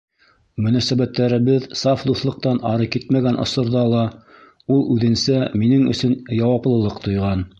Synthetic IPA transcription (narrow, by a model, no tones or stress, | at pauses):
mɵ̆næsæβæt̪ːæɾɘ̆βɘðsɑfd̪uθlˠɤ̆q̚t̪ɑnɑɾɤkit̪mæɡænʔŏ̰sŏɾðɑlˠɑ | ulˠʉðɘ̆nsæminɘŋɵ̰̆sɵnjɑwɑplˠɤ̆lˠɤqt̪ŏjʁɑn